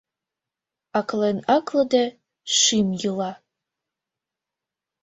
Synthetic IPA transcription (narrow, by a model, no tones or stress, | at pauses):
akʰlɐnakʰlɐda | ʂimjɨla